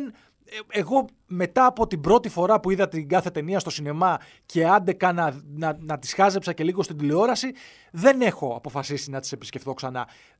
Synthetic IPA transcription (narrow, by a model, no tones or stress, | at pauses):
n | e̞ɣo̞ | me̞t̪ɐːpo̞t̪ibɾo̞t̪ifo̞ɾɐpuiðɐt̪iŋɡɐθe̞t̪e̞niɐst̪o̞sine̞mɐ | ce̞ɐnd̪e̞kɐnɐnɐnɐt̪i̥sxɐze̞psɐce̞liɣo̞st̪ind̪ilio̞ɾɐsi | ðe̞ne̞xo̞ɐpo̞fɐsisinɐt̪i̥se̞pi̥sce̞fθo̞ksɐnɐ̰